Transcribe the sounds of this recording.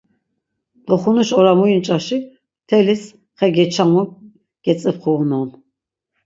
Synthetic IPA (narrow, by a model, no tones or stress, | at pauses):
d̪̥ɔχunuʃɔɾamujint͡ʃʼaʃi | t̪ʰɛlis | χɛɡɛt͡ʃʰamu | ɡ̥ɛt͡sʼəpχʰuːnɔn